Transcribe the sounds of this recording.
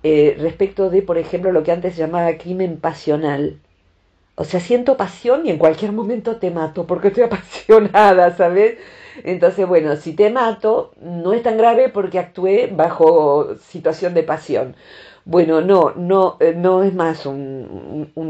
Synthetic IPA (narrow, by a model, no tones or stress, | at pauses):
erespek̚t̪o̞ðepo̞ɾexe̞mplo̞lo̞keant̪esʒamaβakɾimẽ̞mpasjo̞nal | o̰seasje̞nt̪o̞pasjo̞nie̞ŋkwalkjeɾmõ̞mẽnt̪o̞t̪emat̪opo̞ɾkest̪ojapasjo̞naðasaβes | ent̪o̞nsezβwe̞no̞sit̪emat̪o̞no̞est̪aŋɡɾaβe̞po̞ɾkeak̚t̪ueβaxo̞sit̪wasjo̞nd̪e̞pasjo̞̰n | bwe̞no̞nonoeno̞ezmasun̰ | un